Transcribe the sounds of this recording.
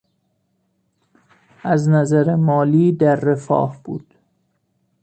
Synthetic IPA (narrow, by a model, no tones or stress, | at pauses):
ʔæznæzæɾemɒːliːd̪æɾːefɒ̰ːhb̥ṵːd̪̥